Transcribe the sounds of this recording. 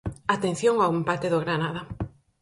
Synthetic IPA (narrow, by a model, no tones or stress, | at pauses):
at̪enθjoŋawempat̪eðoɣɾanaða